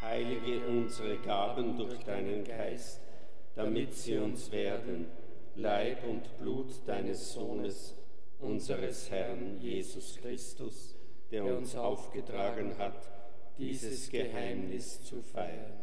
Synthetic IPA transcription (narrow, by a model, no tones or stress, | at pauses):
haɪlɪɡəʔʊnzəʁəɡaːbəndʊɐçd̥aɪnənɡaɪst | d̥amɪtz̥iːʊnsv̥eːɐdən | laɪpʊntb̥luːtd̥aɪnəsz̥oːnəs | ʔʊnzəʁəshɛʁnjeːzʊskʁ̥ɪstʊs | d̥eːɐʊnsaʊfɡ̥ətʁ̥aːɡənɦat | d̥iːzəsɡ̥əhaɪmnɪst͡sufaɪən